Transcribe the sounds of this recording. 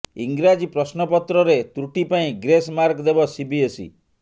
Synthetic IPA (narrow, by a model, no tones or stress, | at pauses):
iŋɡɾad͡ʒipɾɔsnɔpɔt̪ɾɔɾet̪ɾuʈipaĩɡɾesmaɾkd̪ebɔsibiesḭ